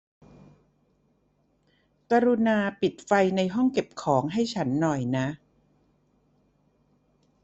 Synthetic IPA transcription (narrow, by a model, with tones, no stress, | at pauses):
ka˧ɾu˧naː˧pi˨˩t̪̚fa˧jna˧jɦɔ˥˩ŋke˨˩p̚kʰɔː˩˦ŋɦa˥˩jt͡ɕʰa˦˥nːɔ˨˩jna˦˥ʔ